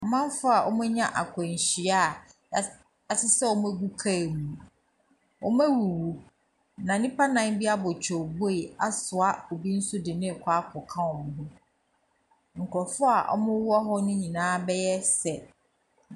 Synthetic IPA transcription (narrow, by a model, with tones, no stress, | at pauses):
ɔ˨mã˦n˦fʊ˦a˨ʔɔ̰˦mʊ̃˦ɲã˦ʔa˨kʷʰɔ˨ɲ˨ɕi˨a˦˨ | a˨sɪ˦sɛ˦ɔ˦mʊ̃˦æ˦ɡu˦kʰa˦˨mũ˨ | ɔ˦m˦æ˦wu˨wu˨ | nã˨nĩ˦pʰa˦nã˦n˦bi˦a˦bɔ˨t͡ɕʰᶣɔ˨bo˦e˨a˦sʊ˨a˦o˨bi˦n̩˦sʊ˦dɪ˨nɪ̃˦˨kʷʰa˦kʰɔ˨kʰã˦ɔ˨n˨ɦʊ̃˦ | ŋ̩˨kʰɔ˨fʊ˦a˨ʔɔ̰˦mʊ̃˦wɔ˦ɦɔ˦nʊ̃˦ɲĩ˨nãː˦bɛ˦jɛ˦sɛ˨